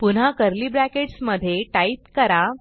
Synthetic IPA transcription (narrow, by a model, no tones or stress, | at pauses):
pun̤ɦakəɾliːbɾækeʈsməd̪ʱːjeʈait̪kəɾa